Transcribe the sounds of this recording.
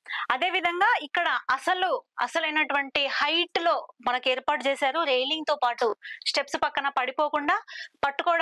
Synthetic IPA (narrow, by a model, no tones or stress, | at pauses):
ɐd̪e̞ːʋid̪ʱɐŋɡaːikːɐɽɐɐsɐluɐsɐlɐjnɐʈuʋɐɳʈihɐjʈlo̞ːmɐnɐkeːɾpaːɾʈːut͡ʃeːsaːɾuɾejliŋɡt̪oːpaːʈusʈe̞psupɐkːɐnɐpɐɽipo̞ːkuɳɖaːpɐʈːukɔːɽɐ